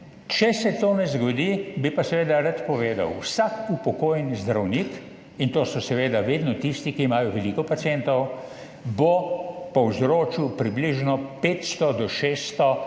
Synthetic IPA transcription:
t͡ʃɛsɛt̪oːnɛzɡɔd̪ibipasɛʋeːd̪aɾat̪pɔʋeːd̪a̰wsakupɔkoːjnizd̪ɾawnik | int̪oːsɔsɛʋeːd̪aʋeːd̪nɔt̪ist̪ikiːmaːjɔʋɛlikɔpat̪siɛnt̪ɔw | bopɔwzɾoːt͡ʃiwpɾibliʒnɔpeːt̪st̪ɔd̪ɔʃeːst̪ɔ

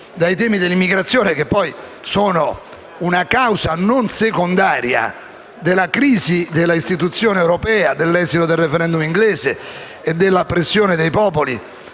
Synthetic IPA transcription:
d̪ajt̪ɛːmid̪elːimːiɡɾat̪sːjoːnek̟epːɔj | soːno | unakawzanonsekond̪aːɾja̰ | d̪elːakɾiːzid̪elːaist̪it̪ut̪sːjoːnewɾɔpɛːad̪elːɛːzit̪od̪elrefɛɾɛnd̪umiŋɡlɛːzeː | d̪ːelːapɾesːjoːned̪ejpɔːpolḭ

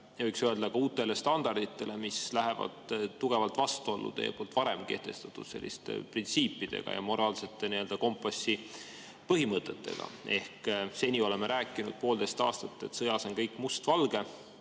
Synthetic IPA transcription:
jɑvɤjksøe̞ld̪̥ɑkɑuːt̪ːˑe̞le̞st̪ɑnd̪ɑrd̪̥it̪ːˑe̞le̞mislæɦe̞vɑ̰d̪̥t̪ːuɡ̥e̞vɑlt̪ˑvɑst̪uolːṵt̪ḛjepo̞ːlt̪ːvɑɾe̞mke̞̰ht̪e̞̰st̪ɑ̥t̪ːˑud̪̥se̞̰lʲːḭst̪ḛprint̪siːpːˑid̪̥e̞̰ɡ̥ɑ̰jɑ̰mo̞ɾɑːlse̞t̪ˑːe̞nie̞ld̪ɑko̞mpːˑosi | pɤɦimɤt̪ːˑe̞t̪ːe̞̰ɡ̥ɑ̰e̞hkse̞nʲio̞le̞meɾʔæːkːˑinud̪̥̚po̞ːld̪̥e̞st̪ɑ̰ːst̪ɑt̪ːˑe̞t̪sɤjɑso̞nkɤjkːˑmust̪vɑlɡ̥e̞

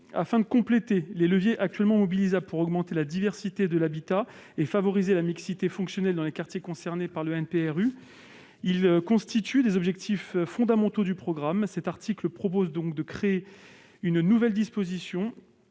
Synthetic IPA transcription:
a̰fɛ̃d̪əkɔ̃plet̪eleləvjeʔak̚t̪ɥɛlmɑ̃mɔbilizabpuʁɔɡmɑ̃t̪elad̪ivɛʁsit̪ed̪əlabit̪a | efavɔʁizelamiksit̪efɔ̃ksjɔnɛld̪ɑ̃lekaʁt̪jekɔ̃sɛʁnepaʁləɛnpeɛʁy | ilkɔ̃st̪it̪ʰyd̪ezɔbʒɛk̚t̪ʰifːɔ̃d̪amɑ̃t̪od̪ypχɔɡʁamsɛt̪aʁt̪ʰikləpχɔp̬ozd̪ɔ̃kd̪əkχee | ynnuvɛld̪ispozisjɔ̃

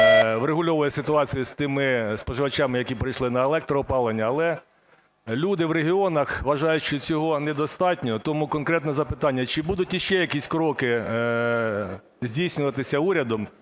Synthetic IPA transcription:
ʋɾeɦʊlʲɔʋɔjɛsɪt̪ʊɑt͡sʲijʊst̪ɪmɪspɔʒɪʋɐt͡ʃɑmɪjɐkʲipɾɪjʃlˠɪnɐelˠɛk̚t̪ɾɔːpɑlˠenʲːɐːlˠɛ | lʲud̪ɪʋɾeɦʲiɔnɐxʋɐʒɑjʊʃt͡ʃɔt͡sʲɔɦɔnɛd̪ɔst̪ɑtʲnʲɔt̪ɔmukɔnkɾɛt̪nɛzɐpɪt̪ɑnʲːɐt͡ʃɪbud̪ʊtʲjiʃt͡ʃɛjɐkisʲkɾɔkɪ | zʲdʲijsʲnʲʊʋɐt̪ɪsʲɐuɾʲɐd̪ɔm

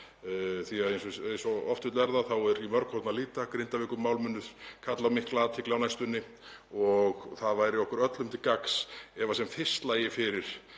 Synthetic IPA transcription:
θiaðejnsɔejnsɔɔft̪ʏːt̪lvɛɾðaθawɛɾimœɾkʰɔɾt̪naliːt̪akɾɪnt̪avɪːkʏmːawlmʏnːʏð̥kʰat̪lawmɪhklat̪ʰɪklaːwnajst̪ʏnːɪ | ɔɣθaðvaːjɾɪɔhkʏɾœt̪lʏmt̪ʰɪlkaksɛvasɛmfɪ̥st̪laːjɪfɪɾɪɾ̥

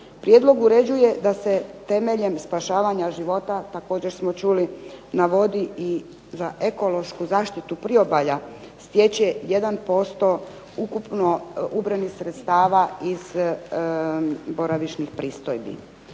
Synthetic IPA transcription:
pɾje̞d̪lo̞ɡuɾe̞d͡ʑuje̞d̪ase̞t̪e̞me̞ʎe̞mspaʃaːʋaɲaʒiʋo̞t̪at̪ako̞ːd͡ʑe̞ɾsmot͡ʃulinaʋo̞d̪ii | zaʔeko̞lo̞ʃkuzaːʃt̪it̪upɾio̞baʎa | st̪je̞t͡ɕeje̞d̪anpo̞st̪o̞ | ukupnoubɾanixsɾet̪st̪aːʋaiz | bo̞ɾaʋiʃnixpɾiːst̪ojbḭ

